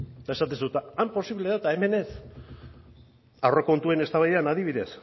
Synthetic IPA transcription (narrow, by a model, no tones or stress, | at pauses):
d̪ae̞sat̪̬esut̪aampo̞siβle̞ðat̪ae̞me̞ne̞s | awreko̞nt̪uene̞st̪aβajðeanaðiβ̞iðe̞s